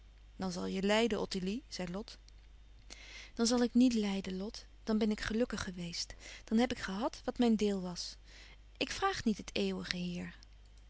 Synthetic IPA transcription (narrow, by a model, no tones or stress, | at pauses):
d̥ɑnzɑ̰lˠjəlɛjdənʔɔtiliz̥ɛjlɔt | d̥ɑnzɑlˠɪknitlɛjdənlɔt | d̥ɑnbɛnɪkχəlɵkəχːəʋejstd̥ɑnɦɛpɪkχəɦɑtʋɑtmɛjndɪːlˠʋɑs | ʔɪkfraːχnitɦətʰeːwəχəɦiːɹ